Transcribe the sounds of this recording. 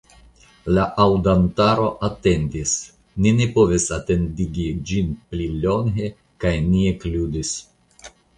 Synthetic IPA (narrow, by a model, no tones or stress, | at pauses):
laʔawdantaɾo̞ʔate̞ndis | ninepo̞visate̞ndiɡid͡ʒinplilo̞ŋɦe̞ | kajniekludis